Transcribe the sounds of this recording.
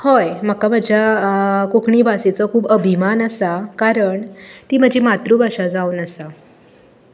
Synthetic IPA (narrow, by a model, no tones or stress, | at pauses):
hojməkam̤əd͡ʑʱjakokɳiːbʱaset͡sɔkʰuːbəbʱimanəsakaɾəɳt̪iːm̤əd͡ʑimat̪ɾubʱaʂad͡zauːnəsa